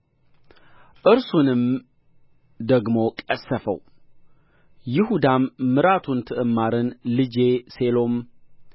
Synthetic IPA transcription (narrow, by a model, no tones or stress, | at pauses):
ʔɨɾsunɨm | d̪əɡmo̞kʼəsːəfə̰w | jɪhud̪amːɨɾat̪ʰunt̪ʰɨʔɨmːaɾɨnlɨd͡ʒe̞se̞lo̞m